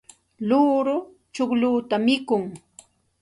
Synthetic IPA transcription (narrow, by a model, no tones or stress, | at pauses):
luːɾʊ | t͡ʃʊkluːt̪amɪkʊŋ